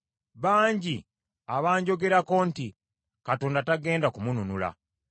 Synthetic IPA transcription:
βaːɲɟi | aβaːɲɟo̞ɡe̞ɾako̞nti | katoːndataɡe̞ːndakumununula̰

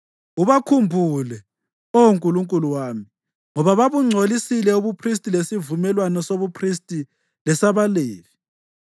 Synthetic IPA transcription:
uβakʰumbʱulɛ | ouŋkʼuluŋkʼuluwaːmi | ŋɔβaβaβuŋ͡ǀʱolisilɛuβupʰris̬tʼilesivumɛlwanɔsoβupʰristʼi | lɛsaβaleːvi

